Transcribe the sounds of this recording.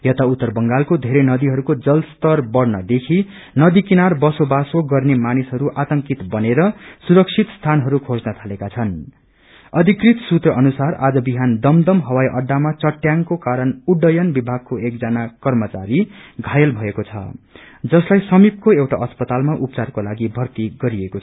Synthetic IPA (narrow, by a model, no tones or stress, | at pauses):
jʌt̪aut̪ːʌrbʌŋɡalkod̪ʱeɾenʌd̪iɦʌɾukod͡zʌlst̪ʌrbʌrnʌd̪ekʰi | nʌd̪ikinarbʌsobasoɡʌrnemanisɦʌɾuʔat̪ʌŋkit̪bʌneɾʌsuɾʌk̚t͡sʰit̪st̪ʰanɦʌɾukʰod͡znʌt̪ʰalekat͡sʰʌn | ʌd̪ʱikrit̪sut̪rʌʔʌnusara̰d͡zʌbiɦand̪ʌmd̪ʌmɦʌwajʔʌɖːamat͡sʌʈːjaŋkokaɾʌnuɖːʌjʌnbibʱaɡ̚koek̚d͡zanakʌrmʌt͡sa̰ɾiɡʱajʌlbʱʌekot͡sʰʌ̰ | d͡zʌslajsʌmib̚koewʈaʔʌspʌt̪almaʔupt͡sarkolaɡibʱʌrt̪iɡʌɾiekot͡sʰ